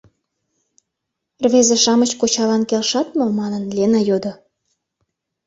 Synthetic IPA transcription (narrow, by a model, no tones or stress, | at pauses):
rβezeʃɑmət͡ɕkot͡ɕɑlɑnkelʃɑt̪̚momɑnənlenɑjod̪o